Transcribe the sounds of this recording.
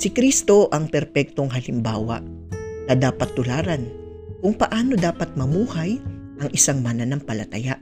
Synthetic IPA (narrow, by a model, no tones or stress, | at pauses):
sɪkɾist̪o̞ʔɐŋpɛɾpɛk̚t̪o̞ŋɦɐlɪmba̰ːwɐ̰ | nɐd̪aːpɐt̪ːʊlaːɾɐn | kʊŋpɐʔaːno̞d̪aːpɐt̪̚mɐmuːhaj | ʔɐŋʔɪsaŋmanɐnɐŋpɐlɐt̪ɐjaʔ